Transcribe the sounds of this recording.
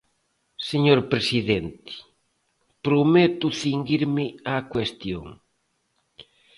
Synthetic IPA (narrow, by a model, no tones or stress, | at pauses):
seɲoɾpɾesiðent̪ɪ̥ | pɾomet̪uθiŋɡiɾmɪakwest̪jo̰ŋ